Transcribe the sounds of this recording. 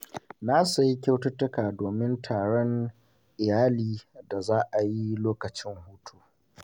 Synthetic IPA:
naː˦su˨ji˦kʲa˦wtʊ˦tʊ˦kaː˨doː˨mɪ˦ntʰaː˨ɽɔ˦ŋ | ʔɪ˨jaː˦liː˨da˨zaː˦ʔa˨ji˦loː˦kɐ˨t͡ʃɪ˦ŋhuː˦tʰu̥ː˨

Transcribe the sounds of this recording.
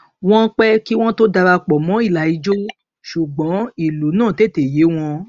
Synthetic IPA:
w̃ɔ̃˦k͡pɛ˦ki˦w̃ɔ̃˦to˦da˧ɾa˧k͡pɔ˨mɔ̃˨˦i˦˨la˨i˨˦d͡ʒo˦ | ʃu˨ɡ͡bɔ̃˨˦i˨lu˨˦nãː˦˨te˦˨te˨je˨˦w̃ɔ̃˧

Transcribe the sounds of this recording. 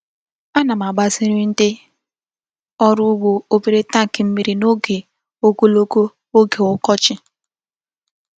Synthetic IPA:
a˦na˨m˨a˨ɡ͡ba˨zi˦ɾi˦n̩˦de˦ | ɔ˦ɾʊ˦ɡ͡bo˦o˦bi˦ɾe˦ta˦ŋ̩˨kɪ˨m̩˦mi˦ɾi˦no˦ɡe˨ | o˦ɡo˦lo˦ɡo˦ | o˦ɡe˨ʊ˦kɔ˦t͡ʃɪ˦

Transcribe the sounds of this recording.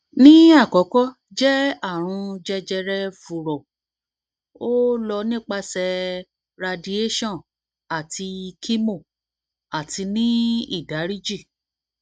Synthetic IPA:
nĩ˦a˦˨kɔ˨˦kɔ˦ | d͡ʒɛ˦a˦˨ɾ̃ũ˧d͡ʒɛ˧d͡ʒɛ˧ɾɛ˧fu˨ɾɔ˨ | o˦lɔ˧nĩ˦k͡pa˧sɛ˧ | ɾa˧di˧e˦ʃɔ̃˦˨ | a˨tʰi˧kʰi˦mo˦˨ | a˨ti˧nĩ˦ḭ˦˨da˨˦ɾi˦d͡ʒi˦˨

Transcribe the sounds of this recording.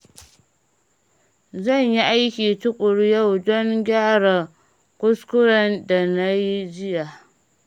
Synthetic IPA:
zɐ˦˨ɲji˦ʔa˦jkʲiː˨tʊ˦kʷʼʊ˨ɽja˦wdɔ˦ŋɡʲaː˦ɽa˨ | kʷʼʊ˦skʷʊ˦ɾɐ˨nda˨na˦ji˦d͡ʒɪ˦ja˨

